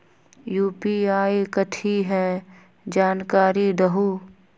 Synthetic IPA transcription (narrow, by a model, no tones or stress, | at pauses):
juːpiaːikət̪ʰiɦɛ | d͡ʒaːnkaːɾid̪əɦuː